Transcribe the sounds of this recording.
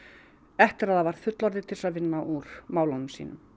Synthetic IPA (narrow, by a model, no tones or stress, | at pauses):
ɛht̪ɪɾaðavaɾð̥fʏt̪lɔɾðɪt̪ʰɪlsaðvɪnːaʔuɾ̥maːwlɔnʏmsḭːnʏ̰m